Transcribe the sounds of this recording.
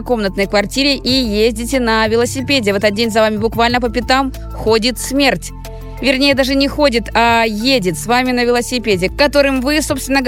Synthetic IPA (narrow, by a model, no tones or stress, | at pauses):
ko̞mnət̪nəjkvɐrtʲiɾʲɪʔijezʲdʲɪt̬ʲɪnɐvʲɪlˠəsʲɪpʲedʲɪvɛt̪ət̪̚dʲenʲzɐvamʲɪbʊkvalʲnəpəpʲɪt̪am | xodʲɪt̪smʲertʲ | vʲɪrnʲejəd̪aʐɨnʲɪxo̞dʲɪt̪ajedʲɪt̪svamʲɪnəvʲɪlˠəsʲɪpʲedʲɪkkɐt̪o̞ɾɨmvɨso̞pst̪vʲɪnːəɡ